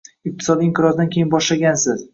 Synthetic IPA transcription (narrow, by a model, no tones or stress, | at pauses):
ɪq̚t̪ʰɪ̥sɒd̪iɪŋqʰɪɾɒzd̪ankʲʰe̞jɪnbɒʃlaɡʲansɪz